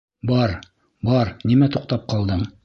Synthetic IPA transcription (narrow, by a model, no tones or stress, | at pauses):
bɑɾ | bɑɾnimæt̪uq̚t̪ɑp̚qɑlˠd̪ɤɴ